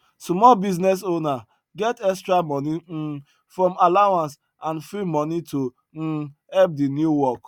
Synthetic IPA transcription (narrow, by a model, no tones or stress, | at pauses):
smɔlbiznɛs̬ona | ɡɛtɛkstɾamɔni | fɾɔ̃malawãns | ãnfɾimɔnito | hɛp̚dinjuwɔk